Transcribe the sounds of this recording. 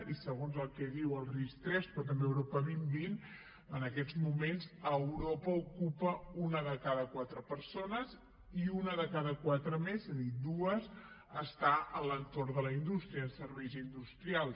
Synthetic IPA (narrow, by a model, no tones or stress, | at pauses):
isəɣonzəlˠkɛðiwəlˠrist̪ɾɛspɾɔt̪̬əmbeəwɾɔpəβimbin | ənəkɛzmumenzəwɾɔpəukupəunəðəkaðəkwat̪ɾəpəɾsonəz | iunəðəkaðəkwat̪ɾəmezezðid̪uəz | əst̪aʔələnt̪orðələind̪ust̪ɾiəsəɾβɛjzind̪ust̪ɾialˠ